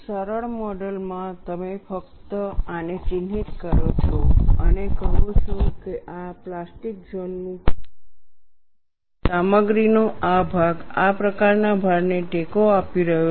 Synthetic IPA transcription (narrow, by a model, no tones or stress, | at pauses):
səɾəɭmɔɖəlmãt̪əmefəkt̪əənet͡ʃɪnɦit̪kəɾot͡ʃʰoənekəɦot͡ʃʰokeʔaplasʈik̚d͡ʒonːũ | saməɡɾinoabʱaɡapɾəkaɾnabʱaɾneʈekoapiɾəɦjo